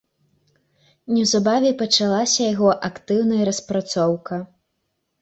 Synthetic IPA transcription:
nʲɛwzabavʲɛpɐt͡ʂalˠasʲɐjaɣɔʔakt̪ɨwnɐjɐɾɐspɾat̪sɔwkɐ

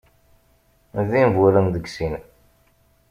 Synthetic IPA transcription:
ðinvuɾənðəɡsin

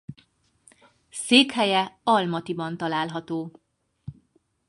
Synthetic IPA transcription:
seːkhɛjɛɒlmɒt̪ibɒnt̪ɒlaːlɦɒt̪oː

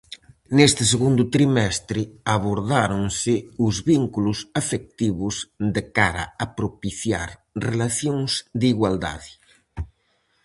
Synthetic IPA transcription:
nest̪ɪs̬eɣund̪ʊt̪ɾimɛst̪ɾɪaβoɾðaɾoŋsɪʊzβiŋkulʊsafek̚t̪iβʊzd̪ekaɾa̰apɾopiθja̰ɾrelaθjoŋsd̪iɣwald̪a̰ðɪ

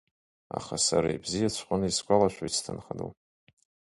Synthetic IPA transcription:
a̰χasaɾaibzijat͡ɕʷʰqʷʼʊnɨiskʷʼalaʃʷᶣait͡sʰtʰɨnχado̰w

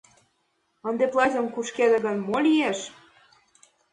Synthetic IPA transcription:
ə̆nd̪eplˠɑzʲə̆mkuʃked̪ə̆ɣə̆nmolieʃ

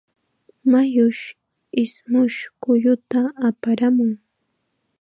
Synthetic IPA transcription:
majʊʃ | ɪsmʊʃkʊʎʊt̪aːpaɾamʊŋ

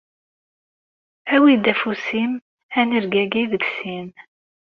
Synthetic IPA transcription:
æwid̪æfusim | ænəɾɡæɡiðəɡsin

